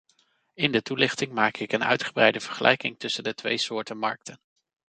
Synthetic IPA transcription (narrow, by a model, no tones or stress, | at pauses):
ɪndətulɪχtɪŋmaːkɪkənœ̰ɥtχəbrɛjdəv̥əɹχəlʔɛ̰jkɪŋtɵsəndətʋḛjsʊːɹtəmɑ̰ɹk̚tʰən